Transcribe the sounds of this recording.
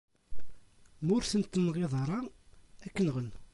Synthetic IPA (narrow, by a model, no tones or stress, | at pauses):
mʊɾθənt̪nːʁeðˤɑɾˤɑækːənʁən